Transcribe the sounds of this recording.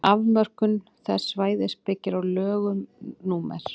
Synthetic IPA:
avmœr̥kʏn | θɛ̥svaːjðɪspɪcːɪɾawlœːɣʏmnuːmɛ̰ɾ̥

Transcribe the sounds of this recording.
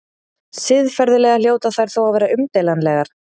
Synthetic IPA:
sɪðfɛɾðɪlɛːɣal̥joːwt̪aθajɾ̥θowavɛːɾaʏmt̪ɛjlanlɛɣaɾ̥

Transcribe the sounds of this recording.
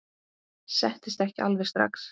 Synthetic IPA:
sɛht̪ɪ̥st̪ɛhcɪʔa̰lvɛ̥st̪ɾa̰ks

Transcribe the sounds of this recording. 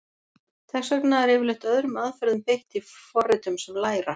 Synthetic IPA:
θʰɛxsœknaɛɾɛvɪɾlɪht̪œðɾʏmaðfɛɾðʏmpɪht̪ifɔrːɪt̪ʏmsɛmlaːjɾa

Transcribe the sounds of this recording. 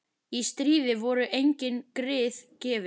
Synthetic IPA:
ist̪ɾiːðɪvɔɾʏʔejɲcɪnkɾɪːθcɛːvɪ

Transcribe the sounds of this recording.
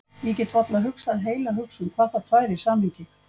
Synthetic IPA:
ɛc̬ɛt̪ʰvɔt̪laɦʏksaðɦeːjlaɦʏksʏmkʰvḁːθat̪ʰvaːjɾɪ̥saːmliːcɪ

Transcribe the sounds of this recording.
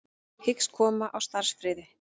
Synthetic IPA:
hɪkskʰɔːmaʔawst̪aɾ̥sfɾɪːðɪ

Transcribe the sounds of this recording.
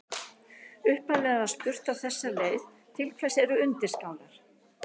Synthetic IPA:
ʏhpanlɛːɣaðaðst̪ʏr̥t̪awθɛsːaleːjð | t̪ʰɪlkʰv̥ajsɛɾʏʏnt̪ɪ̥skaːwnaɾ̥

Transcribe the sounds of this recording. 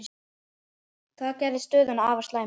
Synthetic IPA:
θaðcɛːɾvɪst̪œːðʏnaaːvaslaːj

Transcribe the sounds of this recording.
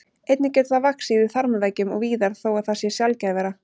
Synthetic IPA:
ejt̪nɪcɛːt̪θavaksivɪθaɾmavɛcʏmɔ̰ɣviːðaɾ̥θowaðθasjɛsjalcajvɛːɾa

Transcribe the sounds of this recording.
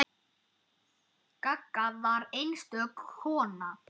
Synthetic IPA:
kakːavaɾejnst̪œkhɔːna

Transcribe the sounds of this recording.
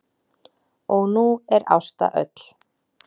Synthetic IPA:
ɔɣnuɛɾa̰wst̪a̰ʔœt̪l̥

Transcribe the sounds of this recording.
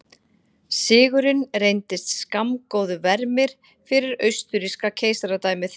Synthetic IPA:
sɪːɣʏɾɪnrejnt̪ɪst̪skamkowðʏvɛɾmɪɾ̥ | fɪɾɪɾœɥst̪ʏɾiskacʰeːjsaɾat̪aːjmɪθ

